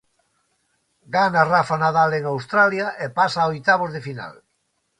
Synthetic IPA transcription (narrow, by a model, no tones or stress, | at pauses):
ɡanarafanaðaleŋawst̪ɾaljaʔepasaojt̪aβozðefina̰l